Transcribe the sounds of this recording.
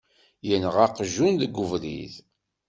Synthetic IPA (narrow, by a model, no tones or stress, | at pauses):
jənʁaqʒunðəɡːʊvɾḭð